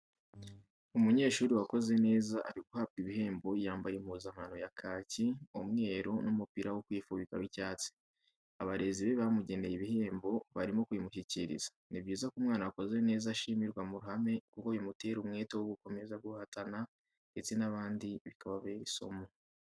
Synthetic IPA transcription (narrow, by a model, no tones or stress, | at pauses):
umuɲe̞ːʃuːɾiwako̞ze̞ne̞ːzaʔaɾiɡuhap̚kiβihe̞ːmbo̞jaːmbajemuzam̥anojakʰaːciomŋe̞ːɾonumupiɾʔawokwiːfuβika̰wicaːt͡si̥ | aβaɾe̞ziβe̞βamuɟe̞ne̞jiβihe̞ːmbo̞βaɾimo̞kwimuçiciɾḭzḁnibɟiːzakumŋaːnawako̞ze̞ne̞ːzaʃimiɾɡwamuɾuhame̞kukojomute̞ɾumŋe̞ːtewoɡuko̞me̞zaɡuhatana | nde̞t͡se̞naβaːndiβikaβaβeɾiso̞̰mo